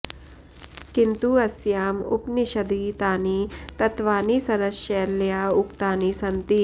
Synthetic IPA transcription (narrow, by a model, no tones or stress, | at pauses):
kint̪uɐsjaːmṵpniɕɐd̪it̪aːnit̪ɐt̪ʋaːniːsɐɾɐʃeljaːukt̪aːnisɐnt̪i